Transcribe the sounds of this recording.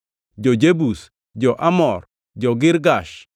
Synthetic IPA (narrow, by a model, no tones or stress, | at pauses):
d͡ʒɔd͡ʒebus | d͡ʒɔʔamɔr | d͡ʒɔɡɪɾɡaʃ